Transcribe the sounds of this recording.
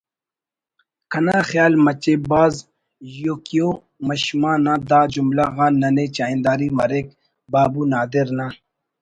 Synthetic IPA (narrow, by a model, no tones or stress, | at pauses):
kʰɐnaːxjaːlmɐt͡ɕeːbaːz | joːkijo | mɐɕmãːnãːd̪aːd͡ʑumlaɣãːnːɐnet͡ɕaːĩnd̪aːɾimɐɾek | baːbunaːd̪eɾnã